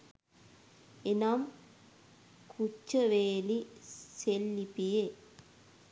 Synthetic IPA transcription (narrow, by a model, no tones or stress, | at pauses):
enam | kʰut͡ʃːɐʋeːliselːipːije